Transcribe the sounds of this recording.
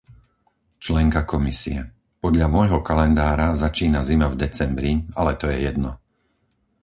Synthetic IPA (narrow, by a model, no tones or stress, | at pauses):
t͡ʃlɛŋkakɔmisiɛ | pɔd̪ʎamɔjɦɔkalɛnd̪aːɾazat͡ʃiːnazimavd̪ɛt͡sɛmbɾialɛt̪ɔjɛjɛd̪nɔ